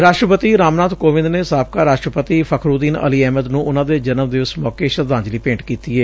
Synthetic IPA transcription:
ɾaːʃʈɾəpət̪iːɾaːmnaːt̪koːʋɪ̃nd̪neːsaːp̚kaːɾaːʃʈɾəpət̪iːpʰəkʰɾuːd̪iːnə̰liːɛːməd̪nũːʔʊnãːd̪eːd͡ʒənəmd̪eʋɪt͡ʃːmɔːkeːʃəd̪ãːnd͡ʒliːpẽːɳʈkiːt̪iːeː

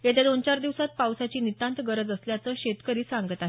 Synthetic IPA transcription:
jet̪ad̪ont͡ɕaɾd̪iʋsat̪̚pawsat͡ɕiːnit̪ãnt̪ɡəɾəd͡zəsljat͡səɕet̪kəɾiːsaŋɡət̪aɦe

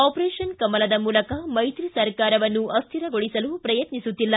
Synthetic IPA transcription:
aːpɾɛːʂɐnkɐmːɐlɐd̪ɐmuːlɐkɐmɐjt̪ɾisɐɾkaːɾɐʋɐnːuʔɐst̪ʰiɾɐɡoɽisɐlupɾɐjɐt̪nisut̪ːilːɐ

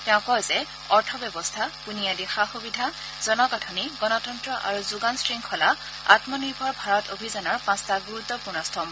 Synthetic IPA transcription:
tɛ̃ʊ̃kɔjzɛ | ɔɹtʰɔbjɛbɔstʰapunijadixaxubidʱa | z̥ɔnɔkatʰɔniɡɔnɔtɔntɹɔʔa̰ɹuzuɡansɹiŋkʰɔla | a̰tmɔniɹbʱɔɹbʱaɹɔtobʱizanɔɹpãstaɡuɹut̪ːɔpuɹnɔstʰɔm

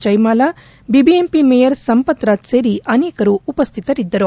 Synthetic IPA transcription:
t͡ʃɐjmaːla | bibiempimejɐɾsɐmpɐt̪ɾaːt̪seɾiʔɐneːkɐɾuːpɐst̪ʰit̪ɐɾid̪ːɐɾu

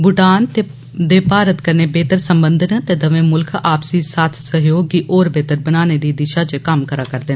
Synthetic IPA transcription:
bʊʈaːnt̪eː | d̪eːpaːɾət̪kəɾneːbeːt̪əɾsəmbənd̪ənt̪eːd̪əʋẽːmʊlkʰaːpsiːsaːt̪ʰsəɦjoːɡiʔɔːɾbeːt̪əɾbənaːneːd̪iːd̪ɪʃaːt͡ʃəkəmkəɾaːkəɾd̪eːn

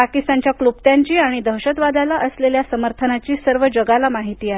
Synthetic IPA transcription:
pakist̪aɲt͡ɕjaklub̚t̪jaɲt͡ɕiːaɽ̃id̪ʱəɦɕət̪ʋad̪alaʔəsleljasəməɾt̪ʰənat͡ɕiːsəɾʋəd͡ʑəɡalamaɦit̪iːae

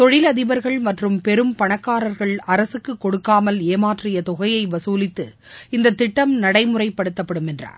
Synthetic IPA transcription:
t̪ɔɻɪlɐðɪʋɐɾɣɐɭmɐʈrɯmpɛɾɯmpɐɳɐkːaːɾɐɾɣɐɭɐɾɐsɯkːɯkːɔɽɯkːaːmɐleːmaːʈrɪjɐt̪ɔɣɐjɐɪʋɐsuːlɪt̪ːɯ | ɪnd̪ɐt̪ːɪʈːɐmnɐɽɐɪmɯrɐɪpːɐɽɯt̪ːɐpːɐɽɯmɛndra̰ːɾ

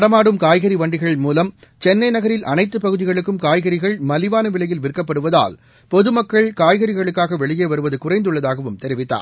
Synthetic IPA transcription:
ɐɽɐmaːɽɯmkaːjɣɐɾiʋɐɳɖɪɣɐɭɪmuːlɐm | t͡ʃɛnːɐɪnɐɣɐɾɪlʔɐ̰nɐɪt̪ːɯpɐɣɯðɪɣɐɭɯkːɯmkaːjɣɐɾɪɣɐɭmɐlɪʋaːnɐʋɪɭɐjɪlʋɪrkːɐpːɐɽɯʋɐða̰ːl | pɔðɯmɐkːɐɭkaːjɣɐɾɪɣɐɭɯkːaːɣɐʋɛɭɪjeːʋɐɾɯʋɐðɯkʊrɐɪnd̪ɯɭːɐðaːɣɐʋɯmt̪ɛɾɪʋɪt̪ːa̰ːɾ

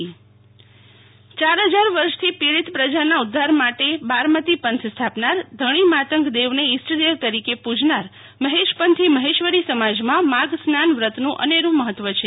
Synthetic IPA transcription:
t͡ʃaɾɦəd͡ʒaɾʋəɾʃt̪ʰipiɭit̪pɾəd͡ʒanaʊd̪ʱːaɾmaʈebaɾmət̪ipənt̪ʰst̪ʰapnaɾd̪ʱəɽ̃imat̪əŋkd̪eʋneɪsʈd̪eʋt̪əɾikepud͡ʒnaɾ | məɦeʃpənt̪ʰiməɦeʃʋəɾisəmad͡ʒmãmaɡsnanʋɾət̪nũʔə̰neɾũməɦət̪ːʋət͡ʃʰe

